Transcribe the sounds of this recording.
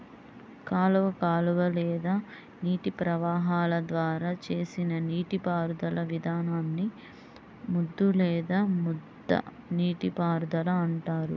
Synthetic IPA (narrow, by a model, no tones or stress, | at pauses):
kaːluʋɐkaːluʋɐlɛːd̪aː | niːʈipɾɐʋaːɦaːlɐd̪ʋaːɾaːt͡ʃe̞ːsinɐniːʈipaːɾud̪ɐlɐʋid̪ʱaːnaːnːi | mud̪ːulɛːd̪aːmud̪ːɐ̰ | niːʈipaːɾd̪ɐlɐːɳʈaːɾṵ